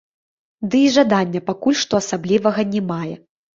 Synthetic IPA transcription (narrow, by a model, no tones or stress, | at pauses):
d̪ɨiʐad̪anʲːɐpakulʲʂt̪ɔasablʲivɐɣɐnʲɛmajɛ